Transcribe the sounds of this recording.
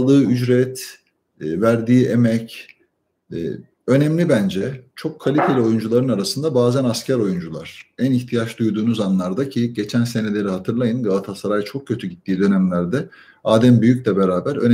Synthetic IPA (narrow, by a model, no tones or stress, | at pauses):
lˠd̪ɯːyd͡ʒɾɛt̪ː | væɾd̪iːemɛc | ø̞nɛmlʲibænd͡ʒɛt͡ʃʰo̞kʰːalʲit̪ʰe̞lʲio̞jund͡ʒulˠaɾɯnaɾasɯnd̪abaːzænascʰæɾo̞jund͡ʒulˠa̰ɾ̥æniçt̪ʰijaʃd̪ujd̪uːnuzanlˠaɾd̪acʰiɟe̞t͡ʃʰænse̞ne̞lʲe̞ɾiɦat̪ʰɯɾlˠajɯnɡavat̪ʰasaɾajt͡ʃʰok̚cʰːø̞t̪ʰyɟit̪ʰːiːd̪ø̞nɛmlʲæɾd̪ɛ | aːd̪æmbyjycʲlʲɛbe̞ɾaːbæɾø̰n